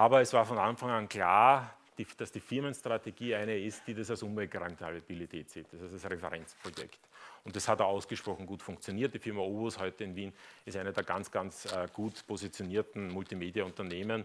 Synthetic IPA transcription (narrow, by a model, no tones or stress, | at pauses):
ʔaːbɐɛsvaːɐfɔnanfaŋankla̰ːɐ | d̥id̥asd̥iːfɪɐmənstʁ̥ateɡ̥iːæɪnəɪstd̥iːdasalsʊnvɛlɡʁɔʏmtəalb̥ilitʰɛːtz̥iːt̚d̥asasasʁefəʁɛnt͡spʁ̥ojɛ̰ktʊnt̚d̥ashatːaʊsɡ̥əʃpʁ̥ɔxŋ̩ɡuːtfʊ̃ŋkt͡sjoniːɐt̚d̥iːfɪɐmɐoːboshɔʏtəɪnviːnɪstæɪnədeːɐɡant͡sɡ̥ant͡sːɡ̥uːtpʰozit͡sjoniːɐtn̩mʊltimeːdijaʊntɐneːmən